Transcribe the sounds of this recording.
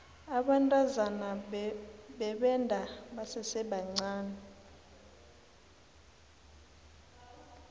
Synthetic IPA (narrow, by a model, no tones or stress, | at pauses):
aɓantʼazana | ɓɛɓɛndʱaɓasɛsɛɓaŋ͡ǀaːnɛ